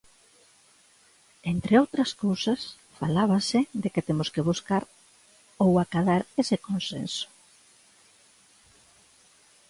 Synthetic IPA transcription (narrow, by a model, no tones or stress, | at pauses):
ent̪ɾʔeowt̪ɾɐskowsas | falaβasɪd̪eket̪emʊskɪβuskaɾ | owakaðaɾesɪkonsḛnsʊ̥